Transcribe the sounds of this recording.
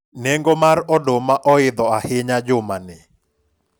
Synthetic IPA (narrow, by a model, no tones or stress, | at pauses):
nɛŋɡomaɾɔdomaʔɔɪd̪ɔahɪɲad͡ʒʊmanɪ